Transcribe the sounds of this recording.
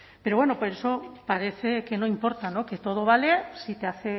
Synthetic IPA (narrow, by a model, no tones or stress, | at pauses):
peɾoβwenoposesopaɾeθekenoimpo̞ɾt̪anoket̪oð̞oβ̞alesit̪eaθe